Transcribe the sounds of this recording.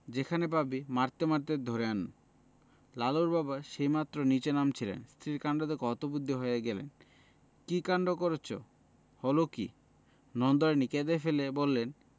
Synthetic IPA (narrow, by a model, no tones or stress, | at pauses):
d͡ʑekʰanepabimaɾt̪emaɾt̪ed̪ʱoɾeanun | laloɾbabaʃejmat̪ːɾonit͡ɕenamt͡ɕʰilḛnst̪ʰɾiɾkaɳɖod̪ekɔt̪obud̪ʱːiɦoeeɡɛlḛn | kikaɳɖokoɾet͡ɕʰo̰ | hɔlokḭ | nɔnd̪oɾeniked̪efelebolːen